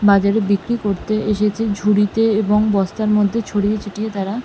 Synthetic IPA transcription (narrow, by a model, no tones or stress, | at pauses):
bad͡ʑaɾebikɾikoɾt̪eeʃet͡ɕʰed͡ʑʱuɽit̪eeboŋbɔst̪aɾmod̪ʱːet͡ɕʰoɽijet͡ɕʰiʈiet̪aɾa